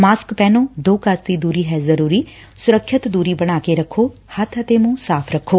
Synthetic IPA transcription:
maːskpɛːnõːd̪oːkasd̪iːd̪uːɾiːɦɛːzəɾuːɾiː | sʊɾəkʰːɪt̪d̪uːɾiːbəɽ̃aːkeɾəkʰːoːhət̪ʰət̪eːmũːsaːpʰɾəkʰːoː

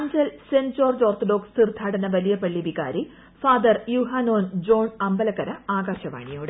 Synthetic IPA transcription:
and͡ʑɐlsensoːrd͡ʑoːrt̪ɐɖo̞ːkst̪ird̪ʱaːɽɐnɐʋɐlijɐpɐɭːiʋika̰ːɾi | faːd̪ɐrjuɦaːnoːnd͡ʑo̞ːɳɐmbɐlɐkːɐɾɐaːɡaːɕɐʋa̰ːɳijoːɽɨ

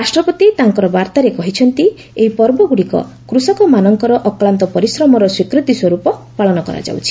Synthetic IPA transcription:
ɾasʈɾɔpɔt̪it̪aŋkɔɾɔbaɾt̪aɾekɔɦit͡ʃʰɔnt̪i | eɦipɔɾbɔɡuɽikɔ̰ | kɾusɔkɔmanɔŋkɔɾɔʔɔklant̪ɔpɔɾisɾɔmɔɾɔswikɾit̪iswɔɾupɔpaɭɔnɔkɔ̰ɾa̰d͡ʒa̰wt͡ʃʰi̥

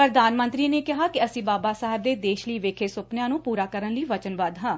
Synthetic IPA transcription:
pɾəd̪aːnmə̃nt̪ɾiːneːkɪɦaːkɪəsĩːbaːbaːsaːɦɪb̚d̪eːd̪eːʃləiːʋeːkʰeːsʊpnjãːnũːpuːɾaːkəɾənləiːʋət͡ʃənbaːd̪ɦãː

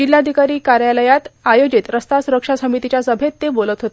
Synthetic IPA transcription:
d͡ʑilːad̪ʱikaɾiːkaɾjaləjat̪ajod͡ʑit̪ɾəst̪asuɾəkʂasəmit̪it͡ɕjasəbʱet̪ːebolət̪ɦot̪e

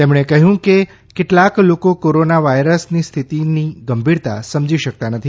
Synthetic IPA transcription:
t̪emɽ̃ɳ̃ekəɦjũke | keʈlaklokokoɾonaʋajɾəsnist̪ʰit̪iniɡəmbʱiɾt̪a̰səmd͡ʒiʃək̚t̪anət̪ʰi

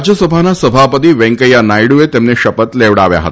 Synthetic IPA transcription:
d͡ʑjəsəbʱanasəbʱapət̪iːʋẽŋkəjanajɽuʋet̪emneɕəpət̪leʋɽaʋja̰ɦət̪a

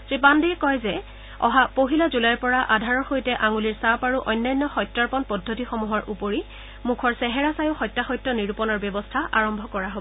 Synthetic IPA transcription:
sɹip̬andiɛkɔjzɛ | ɔ̰ɦapoɦilazulajɹpɔɹaʔadʱaɹɔɹxojtɛʔaŋuliɹsapaɹuʔɔjnːajnːɔxɔjtːaɹpɔnpɔdʱːotixɔmuɦɔɹʔupoɹi | mukʰɔɹsɛɦɛɹasajʊxɔjtːaxɔjtːɔniɹupɔnɔɹbɔbɔstʰaʔaɹɔmbʱɔkɔɹaɦobɔ

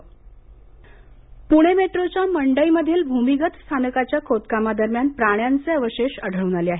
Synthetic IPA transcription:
puɽ̃emeʈɾot͡ɕjaməɳɖəiməd̪ʱːiːlbʱumiɡət̪st̪ʰanəkat͡ɕjakʰot̪kamad̪əɾmjanpɾaɽ̃jant͡seəʋəɕeɕəɽ̤əʋɽ̃aleaɦe

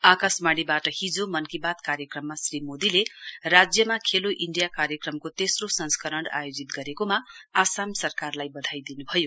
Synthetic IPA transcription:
akasmaɽibaʈʌhid͡zomʌnkibat̪kaɾjʌkrʌmːasrimod̪ilerad͡zjʌmakʰeloʔiɳɖijakaɾjʌkrʌmkot̪esrosʌnskʌɾʌɳɖa̰jod͡zit̪̚ɡʌɾekomaasamsʌrkarlajbʌd̪ʱajd̪inubʱʌjo

